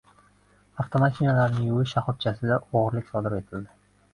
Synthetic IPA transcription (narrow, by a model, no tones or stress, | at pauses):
aft̪ʰomaʃinalaɾnɪŋuwɪʃaχʊp̚t͡ʃʰasɪd̪aʔoʁɾlɪkʲsɒd̪ɪɾe̞t̪ʰɪld̪ɪ